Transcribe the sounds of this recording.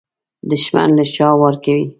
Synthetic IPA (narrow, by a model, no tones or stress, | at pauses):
d̪ʊʃma̰nlaʃɑwaɾkawi